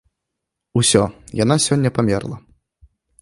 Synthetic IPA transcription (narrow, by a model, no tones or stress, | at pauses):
usʲɔjanasʲɔnʲːɐpamʲɛrlˠɐ̰